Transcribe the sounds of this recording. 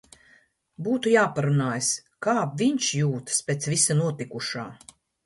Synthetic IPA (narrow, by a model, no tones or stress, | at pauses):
buːt̪ujaːpaɾunaːjskaːvʲiɲt͡ʃjuːt̪spʲeːt̪svʲisanuɔt̪ikuʃaː